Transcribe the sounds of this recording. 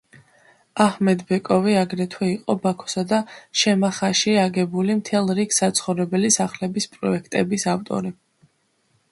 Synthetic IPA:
ahmɛd̪bɛkʼɔviaɡɾɛt̪ʰwɛiqʼɔbakʰɔ̥sad̪aʃɛmaχaʃiaɡɛbulimt̪ʰɛlˠɾiksːat̪sʰχɔvɾɛbɛlisaχlɛbispʼɾɔɛkʰt̪ʼɛbisaft̪ʼɔ̰ɾi

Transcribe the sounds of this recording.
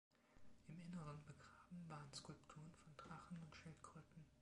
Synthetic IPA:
ʔɪmʔɪnəʁənbəɡʁaːbm̩vaːʁənskʊlptʰuːʁənfɔndʁaχn̩ʊntʃɪltɡ̥ʁʏːtn̩

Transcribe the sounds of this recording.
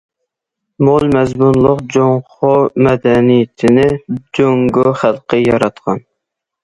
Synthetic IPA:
molˠmɛzmunlˠʊqd͡ʒoŋχomɛd̪ɛnijt̪ʰɪnɪd͡ʒoŋɡoχælˠqʰəjɑɾɑt̪qʰɑn

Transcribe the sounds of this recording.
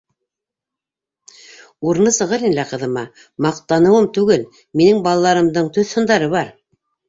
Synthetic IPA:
uɾnɤsɤ̆ʁɤɾinlæqɤ̆ðɤ̆mɑ | mɑq̚t̪ɑnɤ̆wɤmt̪ʉɡɘl | minɘŋbɑlˠɑlˠɑɾɤ̆md̪ɤɴt̪ɵθhɤ̆nd̪ɑɾɤβɑɾ

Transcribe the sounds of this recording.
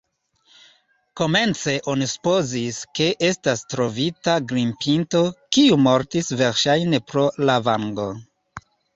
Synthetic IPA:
ko̞me̞nt͡se̞ʔo̞nisu̥po̞ziske̞ʔe̞stastɾo̞vitaɡɾimpʰinto̞kiumo̞ɾtisve̞ɾʃajne̞pɾo̞lavaŋɡo̞

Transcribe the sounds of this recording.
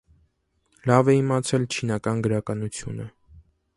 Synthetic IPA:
lɑvɛimɑt͡sʰɛlt͡ʃʰinɑkɑnɡəɾɑkɑnut͡sʰjṵnə

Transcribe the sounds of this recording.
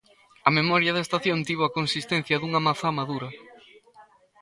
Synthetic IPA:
ɐmemɔɾjɐðɐest̪aθjont̪iβ̞oɐkonsist̪ɛn̟θjɐðuŋɐmaθamaðuɾɐ

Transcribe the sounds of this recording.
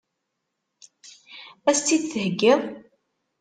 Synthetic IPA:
æst̪ːid̪θəhəɡːɪðˤ

